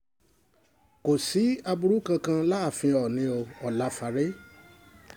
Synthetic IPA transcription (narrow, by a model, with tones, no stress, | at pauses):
ko˨si˨˦a˧bu˧ɾu˦kã˧kã˧la˦a˦˨fĩ˧ɔ˨nĩ˧o˧ɔ˨la˨˦fa˧ɾe˦